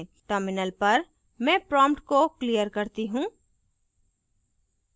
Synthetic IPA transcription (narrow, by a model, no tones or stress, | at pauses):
ʈəɾmɪnəlpɐɾ | mɛ̃ːpɾɔːmpʈkoklijəɾkɐɾt̪iɦũː